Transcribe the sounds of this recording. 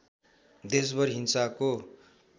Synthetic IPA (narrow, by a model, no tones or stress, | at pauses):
d̪es̬bʌɾɦinsako